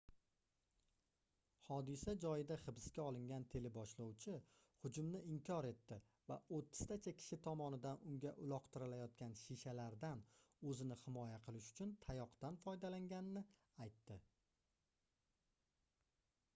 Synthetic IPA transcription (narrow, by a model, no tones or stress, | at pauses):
hɒd̪ɪsad͡ʒɒjɪd̪aχɨbɪskʲaɒlˠɪŋɡʲant̪ʰe̞lɪbɒʃlɒwt͡ʃʰɪ | hʊd͡ʒʊmnɪɪmkʲʰɒɾe̞t̪ːɪ | vaot̪ʰːɪ̥z̥t̪ʰat͡ʃʰakʲʰɪ̥ʃɪt̪ʰɒmɒnɪd̪anʊŋɡʲaʔʊlˠɒqt̪ʰɪɾɪlajɒt̪̚kʲanʃiʃalaɾd̪anɵzɪnɪhɪmɒjaqʰɨlˠɪʃʊ̥t͡ʃʰʊnt̪ʰajɒqt̪anfɒjd̪alaŋɡʲanɪnɪ | ajt̪ːɪ